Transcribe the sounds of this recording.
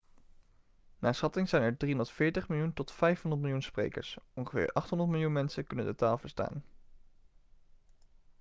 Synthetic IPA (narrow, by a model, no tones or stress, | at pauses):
naːsχɑtɪŋz̥ɛjnɛɹdriɔndəɹtfɪːɹtəχmɪlˠjuntɔtfɛjfɦɔndət̚mɪlˠjunsprḛjkə̰ɹsɔnχəvɪ̰ːɹʔɑχtɦɔndəɹtmɪlˠjunmɛnsəkɵnə̰ndətaːlˠvəɹsta̰ːn